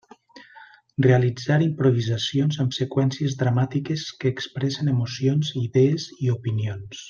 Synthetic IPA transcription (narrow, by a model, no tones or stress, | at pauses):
realid͡zaɾimpɾuβizasionzəmsekwɛnsiəzðɾamat̪ikeskəːkspɾɛsənemusionziðeːziupinions